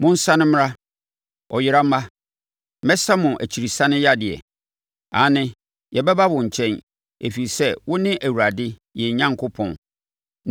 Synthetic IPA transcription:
mʊ̃˦n̩˦sa˦nɪ̃˦m̃˦ɾa˦ | ɔ˨jɪ˦ɾa˦m̩˦a˦ | mɛ˦sa˦mʊ̃˨ʔæ̰˨t͡ɕʰi˨ɾi˨sã˦nɪ̃˦ja˦dɪ˨ɛ̰˨ | ã˨˦nɪ̃˦ | jɛ˨bɛ˦ba˦wʊ̃˨ɲ̩˨t͡ɕʰɛ̃˦n | e˨fi˨sɛ˦wʊ˦nɪ̃˦ʔæ˨wu˨ɾa˨dɪ˦jɛ˨ɲã˦ŋkʰʊ˦pʰɔ̰̃˨n

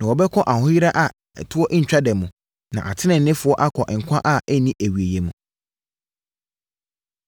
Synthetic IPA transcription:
nã˨wɔ˨bɛ˦kʰɔ̃˦ʔa˨hʊ̃˦ji˦ɾa˦ʔa˨ | ɛ̰˨tʰʊ˦ɔ˦ʔɪ˦ɲ̩˨t͡ɕᶣa˦dɛ˨mũ˨ | nã̰˨ʔa˨tʰɪ˦nɪ̃˨n̩˨nɪ̃˦fʊ˨˦ɔ˦ʔa˦kʰɔ˨ʔŋ̩˨kʷʰã˦ʔa˦ʔɛ˦nĩ˦ʔæ˨ɥe˨je˨mũ˨

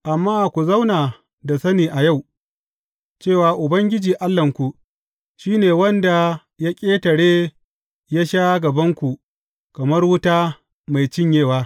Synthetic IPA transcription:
ʔa˨mːaː˦˨kʷu˨za˦wnaː˨ | da˨sɐ˦niː˨ʔa˨ja˦˨w | t͡ʃeː˦˨waː˨ʔʊ˨bɐ˦ŋɡʲɪ˦d͡ʒiː˨ʔa˦lːɐ˨ŋkʷu˨ | ʃiː˦neː˨wɐ˦nda˨ | ja˦kʲʼeː˦tɐ˨ɽeː˦ | ja˦ʃaː˦ɡɐ˨bɐ˦ŋkʷu˨ | kɐ˨mɐ˦rwʊ˦taː˦ | ma˨jt͡ʃɪ˦ɲjeː˦waː˦

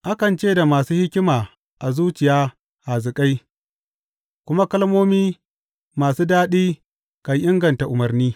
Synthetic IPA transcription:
ʔa˦kɐ˨nt͡ʃeː˦˨da˨maː˨suː˦hɪ˦kʲɪ˦maː˨ | ʔa˨zuː˦t͡ʃɪ˨jaː˦ | ʔa˨zɪ˨kʼa˦j | kʷʊ˦ma˦kɐ˦lmoː˦miː˦ | maː˨suː˦daː˦ɗiː˦ | ka˨jʔɪ˦ŋɡɐ˨nta˨ʔʊ˨mɐ˨rniː˦

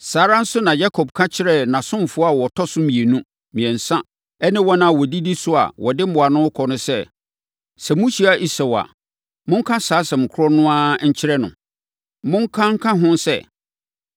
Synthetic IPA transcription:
saː˨˦ɾa˦n̩˦sʊ˦nã˨ja˦kʰɔ˨bkʰã˦t͡ɕʰɪ˦ɾɛ˦nã˨sʊ̃˦m˨fʊ˦ɔ˦a˦˨wɔ˨tʰɔ˦sʊ˦mĩ˨e˨nũ˦ | mĩ˨ɛ̃˨n̩˨sã˦ | ɛ˦nɪ̃˦wɔ˦nã˦˨wɔ˨di˦di˦sʊ˦a̰˨wʔɔ˨dɪ˦m˦mʊ̃˨a˨nʊ̃˦kʰɔ˨nʊ̃˦sɛ˦˨ | sɛ˨mũ˦ɕi˨a˨ʔi˦sɛ˨wa̰˨ | mʊ̃˦ŋ̩˦kʰã˦saː˨˦sɛ̃˨m̩˨kʰʊ˦ɔ˦nʊ̃˦a˦ɲ̩˦t͡ɕʰɪ˦ɾɛ˦nʊ̰̃˨ | mʊ̃˦ŋ̩˦kʰã˦ŋ̩˦kʰã˦ɦʊ̃˦nsɛ̰˦

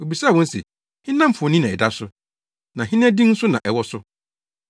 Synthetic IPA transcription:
o˨bi˨saː˦˨wɔ̃˦n̩˦sḛ˨ | hɪ̃˦nã˦m̩˨fʊ˨ɔ˨nĩ˦nã˨ɛ˨da˦sʊ˦ | nã˨ɦɪ̃˦n˦ã˦dĩ˦n̩˦sʊ˦nã˨ʔɛ˨wɔ˦sʊ˦

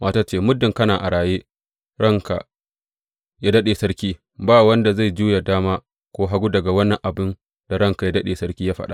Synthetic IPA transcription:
mʔaː˦taː˦t͡ʃeː˦˨mʊ˦dːɪ˨ŋkɐ˦naː˨ʔa˨ɽaː˨jeː˦ | ɽɐ˦˨ŋka̰˨ | jaː˦dɐ˦ɗeː˨sɐ˦ɽkʲiː˦ | baː˦˨wɐ˦nda˨za˦˨jd͡ʒuː˦ja˨daː˦maː˦ | kʷoː˦ɦa˦ɡʷu˦dɐ˨ɡa˨wɐ˦nːɐ˨ŋʔa˨bɪ˦n | d̥a˨ɽɐ˦ŋka˨ja˦dɐ˦ɗeː˨sɐ˦ɾkʲiː˦jaː˦ɸɐ̰˦ɗa̰˦ʔ

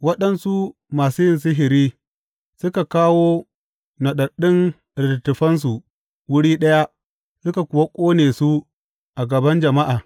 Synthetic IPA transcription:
wɐ˦ɗɐ˨nsu˦ | maː˨su˦jɪ˨ns̬ʊ˦ɦɪ˨ɾiː˦ | sʊ˦ka˨kaː˦woː˦ | nɐ˨ɗɐ˨ɗɪ˦n | ɾɪ˨ttːʊ˨ɸɐ˦ns̬u˨ | wʊ˦ɽiː˦ɗɐ˦ja˦ | sʊ˦ka˨kʷʊ˨wa˦kʷʼoː˦neː˨su˦ | ʔa˨ɡɐ˨bɐ˦nd͡ʒɐ˨ma˦ʔaː˨

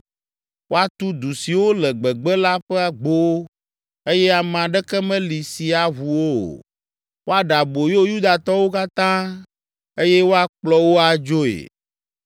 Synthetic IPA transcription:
wo˦a˦t̪u˦d̪u˨si˨wo˦lɛ˨ɡ͡bɛ˨ɡ͡bɛ˦la˦ɸɛ˦a˨ɡ͡bo˦w | e˦jɛ˦a˨m˨ã˨ɖɛ˦kɛ˦mɛ̃˦li˨si˨a˨ɦu˨wo̰˦˨ | wo˦a˦ɖa˨bo˨jo˦ju˦d̪a˨t̪ɔ˦wo˦ka˦t̪ã˦ | e˦jɛ˦wo˦a˦k͡plɔ˦wo˦a˨d͡ʒo˦ḛ˨

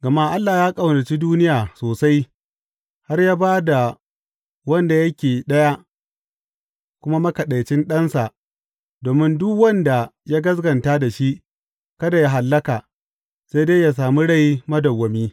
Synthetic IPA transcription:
ɡɐ˨ma˦ʔa˦lːaː˨jaː˦kʼa˨wna˨t͡ʃi˦duː˦nɪ˦jaː˨soː˨sa˦j | ha˦rjaː˦baː˦da˨ | wɐ˦nda˨jɐ˦kʲeː˨ɗɐ˦ja˦ʔ | kʷʊ˦ma˦mɐ˦kɐ˨ɗa˨jt͡ʃɪ˦nɗɐ˦nsa˨ʔ | doː˨mɪ˦ndʊ˦kwɐ˦nda˨ja˦ɡɐ˦s̬ɡɐ˨nta˦da˨ʃi˦ʔ | kɐ˦da˨ja˦ɦa˨lːɐ˦kaː˨ | sa˦jde˦ja˨s̬aː˨mu˦ɽa˦˨ji˦mɐ˦dɐ˨wːɐ˨miː˦

